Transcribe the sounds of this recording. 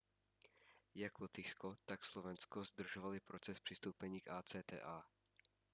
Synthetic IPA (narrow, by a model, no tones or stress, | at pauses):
jaklɔt̪ɪskot̪akslovɛnskozd̪r̩ʒovalɪpɾot͡sɛspr̝̥ɪst̪owpɛɲiːkaːt͡sɛːt̪ɛ̰ːʔaː